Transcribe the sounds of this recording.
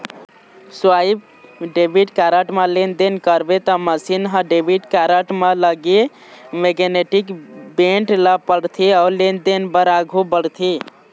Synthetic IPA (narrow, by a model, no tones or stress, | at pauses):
swaib | ɖebʱiʈkaɾəʈmelend̪enkəɾbet̪ɔməsinɦə̃ɖebʱiʈkaɾəʈmeləɡi | meɡeneʈikbeɳʈləpəɽt̪ʰialend̪enbəɾaɡʱubəɽt̪ʰi